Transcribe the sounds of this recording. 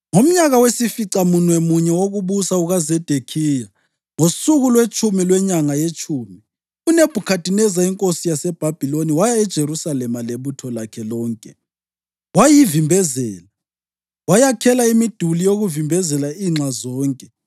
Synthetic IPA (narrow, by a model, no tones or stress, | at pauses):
ŋom̩ɲaɣawesifiǀamunwɛmuɲɛwoɣuβusauɣazɛd̥ʱekʰija | ŋosuɣulwet͡ʃʼʰumilwɛɲaŋajet͡ʃʼʰuːmi | uneb̥ʱukʰadʱinɛzaiŋkʼosijasɛb̥ʱab̥ʱiloniwajaɛd̥ʒ̥ʱeɾusalɛmaleβutʰɔlakʰɛlɔːŋkʼɛ | wajivimbʱɛzɛːla | wajakʰɛlaimid̥ʱulijoɣuvimbʱɛzɛlaiːŋ͡ǀazɔːŋkʼɛ